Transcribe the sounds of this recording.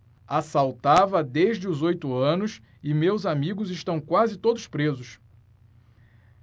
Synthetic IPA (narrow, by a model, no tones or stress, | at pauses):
asawt̪avɐd̪eʒd͡ʒɪʊzojt̪ʊɐ̃nʊs | ɪmewzamiɡʊzɪʃt̪ɐ̃w̃kwazɪt̪od̪ʊspɾezʊs